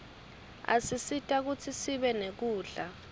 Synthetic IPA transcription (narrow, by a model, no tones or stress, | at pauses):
a̰sisitʼak̬ut͡sʰisiɓɛnek̬uːɮa